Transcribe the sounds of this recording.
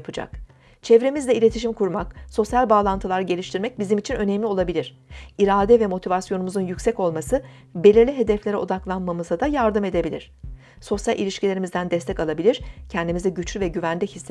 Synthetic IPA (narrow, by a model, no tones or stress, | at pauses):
pʰɯd͡ʒa̰k | t͡ʃʰɛvɾe̞mizd̪ʲɛilʲe̞t̪ʰiʃ̬imkʰuɾmakso̞sjalʲbaːlˠant̪ʰɯlˠaɾɯɟe̞lʲiʃt̪ʰiɾmɛc̚bizimit͡ʃʰinø̞nemlʲio̞lˠabilʲiɾ̝̥ | iɾaːd̪ɛvɛmo̞t̪ʰivasjo̞numuzunjycsɛco̞lˠmasɯ | be̞lʲiɾlʲiɦe̞d̪ɛflʲe̞ɾɛod̪aklˠanmamɯzad̪ajaɾd̪ɯme̞d̪e̞bilʲiɾ̥ | so̞sjalʲʔḭlʲiʃcilʲe̞ɾimizd̪ænd̪ɛst̪ʰɛckalˠabilʲiɾ̥cʰɛnd̪imizɛɟyt͡ʃʰlʲyvɛɟyvænd̪ʲiçisː